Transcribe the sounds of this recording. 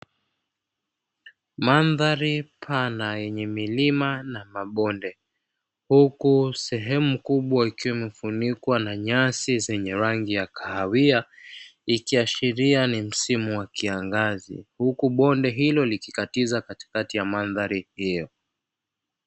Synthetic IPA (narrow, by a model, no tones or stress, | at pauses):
manðaɾipʰanajɛɲɛmilimanamaɓɔndɛ | hukusɛɦɛmukuɓwaikiwamɛfunikwanaɲasizɛɲɛɾaŋɡijakʰaawia | ikiaʃiɾianim̩simuwakiaŋɡazḭhukuɓɔndɛɦilɔlikikatizakati̥katijamanðaɾihijɔ